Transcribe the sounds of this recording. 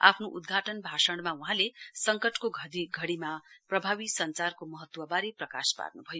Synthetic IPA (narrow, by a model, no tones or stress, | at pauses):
a̰pʰnoʔud̪ɡʱaʈʌnbʱasʌɽ̃mauɦãlesʌŋkʌʈkoɡʱʌiɡʱʌɽimaprʌbʱabisʌnt͡sarkomʌɦʌt̪wʌbaɾiprʌka̰spa̰rnubʱʌjo